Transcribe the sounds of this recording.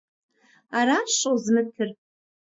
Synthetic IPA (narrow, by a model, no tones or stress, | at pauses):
aɾaʂowzmɨtʰɨrʼ